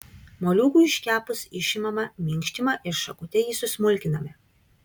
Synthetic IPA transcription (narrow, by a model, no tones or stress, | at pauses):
moːlʲuːkuːɪʃʲkʲæːpʊsɪʃʲɪmɐmɐmʲɪŋʲkʲʃʲt̪ʲɪmɐʔɪɾʃɐkʊt̪ʲɛjisʊsʲmʊlʲkʲɪnɐmʲɪ